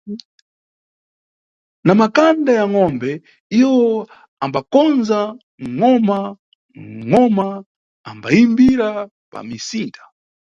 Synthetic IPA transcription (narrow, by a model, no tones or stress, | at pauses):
namakandajaŋɔmbɛ | iwɔ | ambakɔnza | ŋɔma | ŋɔmaː | mbaimbiɾa | pa̰misintḁ